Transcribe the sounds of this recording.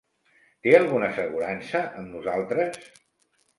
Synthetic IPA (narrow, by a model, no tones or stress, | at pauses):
t̪eəlˠɣunəsəɣuɾansəʔəmnuzalˠt̪ɾəs